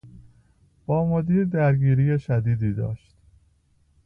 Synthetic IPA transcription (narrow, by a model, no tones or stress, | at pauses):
b̥ɒːmod̪iːɾd̪æɾɟiːɾiːjeʃæd̪iːd̪iːd̪ɒ̰ːʃt̪